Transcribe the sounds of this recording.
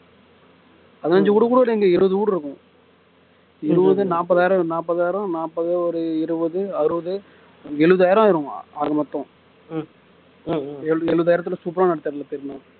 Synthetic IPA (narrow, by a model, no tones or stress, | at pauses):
ɐðɯnɐɲd͡ʒɐuːɽɯkuːɽɐʋɐɽɛŋɡɐɪɾɯʋɐðɯuːɽɪɾɯkːʊ̃ | ɪɾɯʋɐðɯnaːpːɐðaːjɪɾɐ̃naːpːɐðaːjɪɾɐ̃naːpːɐðɯɔɾɯɪɾɯʋɐðɯɐɾɯʋɐðɯ | ɛɻɯʋɐðɯaːjɪɾɐ̃ɪɾʊ̃a̰ːɾɣɐmɐt̪ːɔ̃ | ɛɯɛɻɯʋɐðajɪɾɐt̪ːɯlɐsuːp̬ɾaːnɐɽɐt̪ːaɾɪlːɐp̪ːɪɾnã